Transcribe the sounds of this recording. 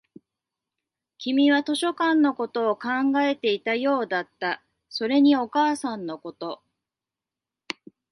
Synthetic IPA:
kʲimʲiβat̪o̞ɕo̞kãnːo̞ko̞t̪o̞ːkãŋɡae̞t̪e̞it̪ajo̞ːd̪at̪ːa | so̞ɾe̞ɲ̟io̞kaːsãnːo̞ko̞t̪o̞

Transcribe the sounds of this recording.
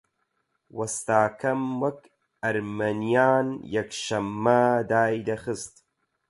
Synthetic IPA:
wɐst̪aːkʰɐmwɐk | ɐɾmɐnijaːnjɐkʃɐmːɐd̪aːjd̪ɐxɨst̪

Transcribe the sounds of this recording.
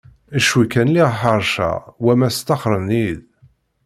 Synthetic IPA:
æʃwikænliʁħəɾˤʃæ̰wæmæst̪ːɑχɾˤənið

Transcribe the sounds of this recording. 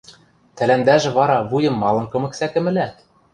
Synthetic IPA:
t̪ælænd̪æʒɘ̆βɑɾɑβujɤ̆mːɑlˠɤ̆nkɤ̆mɤ̆ksækɘ̆mɘ̆læt̪

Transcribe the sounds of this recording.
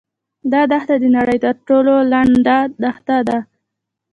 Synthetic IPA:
d̪ɑd̪axt̪ad̪ənaɽəjt̪əɾʈololaɳɖad̪axt̪ad̪a

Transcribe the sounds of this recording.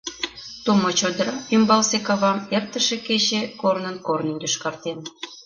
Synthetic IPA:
t̪umot͡ɕod̪əɾɑymbɑlsekɑβɑmert̪ə̆ʃeket͡ɕekornənkornynd̪əʃkɑrt̪en

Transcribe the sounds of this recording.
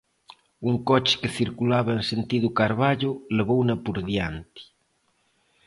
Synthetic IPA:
uŋkɔt͡ʃe̥keθiɾkulaβɐensent̪iðukaɾβaʎʊleβownɐpuɾðjant̪i̥

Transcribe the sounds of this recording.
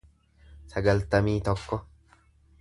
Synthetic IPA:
sɐɡɐlt̪ɐmiːt̪ɔkːɔ

